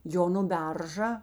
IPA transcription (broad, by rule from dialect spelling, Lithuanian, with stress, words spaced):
ˈjoː nʊ ˈbʲɛrʒɐ